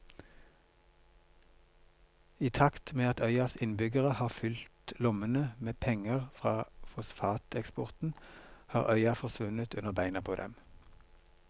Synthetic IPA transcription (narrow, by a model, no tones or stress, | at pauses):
iːt̪ʰɑkt̪meːɑt̪œʏɑsɪnbʏɡəʁəhɑːʁfʏlt̪lʊmənəmeːpʰɛŋəʁfʁɑːfɔsfɑːt̪ʰɛkspɔʁt̪n̩hɑːʁʔœʏɑfɔʁsʋʉnət̪ʉnəʁbæɪnɑpʰoːd̪ɛ̰m